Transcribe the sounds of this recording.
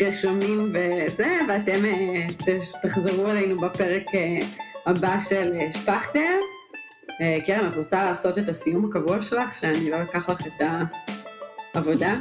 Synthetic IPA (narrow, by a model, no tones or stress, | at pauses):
ʁiʃomimvezeveatemetetaχzeʁuelejnubapeʁekeabaʃeleʃpaχtem | ekeʁematʁot͡salaːso̞tetasijumhakavuaʃelaχʃeanilobekaχlaχeta | vo̞da